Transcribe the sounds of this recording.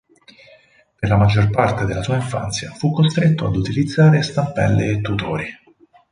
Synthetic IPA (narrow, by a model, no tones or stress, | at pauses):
perlamad͡ʒːorpart̪ed̪elːasuːaiɱfa̰nt̪sja̰fukːost̪ɾet̪ːoa̰d̪ut̪ilid̪zːaːɾest̪ampɛ̰lːeːt̪ːut̪oːɾi